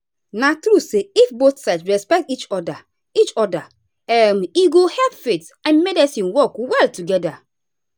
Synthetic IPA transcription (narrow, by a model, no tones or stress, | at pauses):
natɾuseifboθsaɪtsɹɛspɛk̚tit͡ʃɔda | it͡ʃɔda | ɛmiɡohɛpfet | ãnmɛdɛsĩnwɔkwɛltuɡɛda